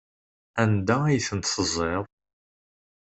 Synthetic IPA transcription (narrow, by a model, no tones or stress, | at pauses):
ænd̪ææjθənt̪səzˤːeðˤ